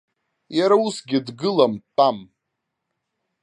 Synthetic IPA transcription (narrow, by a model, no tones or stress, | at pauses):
jaɾausɡʲɪdɡɨlamtʼam